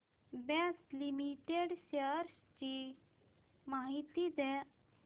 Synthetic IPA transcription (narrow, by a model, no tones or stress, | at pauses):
besʈlimiʈeɖsəɾs | t͡ʃi | maɦit̪id̪ɛ